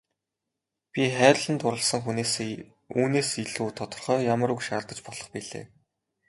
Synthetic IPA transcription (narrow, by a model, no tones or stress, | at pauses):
pʲiχæːrʲɮə̆nt̪ʊɾə̆ɮsə̆ŋxuneːs | uːneːsiɮuːt̪ʰɔt̪ɞ̆rχœːjamə̆ɾukʃaːrt̪ə̆t͡ɕpɔɮɞ̆χpiɮḛː